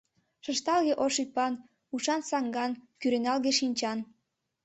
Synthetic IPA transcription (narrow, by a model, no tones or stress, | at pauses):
ʃəʃt̪ɑlɣeʔoʃypɑn | uʃɑnsɑŋɡɑnkyɾenɑlɣeʃinʲt͡ɕɑn